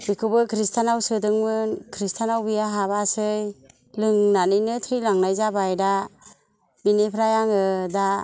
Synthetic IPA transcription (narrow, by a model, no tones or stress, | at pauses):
bikʰɯbɯkʰɾistʰanawsɯdɯŋmɯnkʰɾistʰanawbijaɦaβasɯj | lɯŋnanɯjnɯtʰɾilaŋnajzabajda | binepʰɾajaŋɯda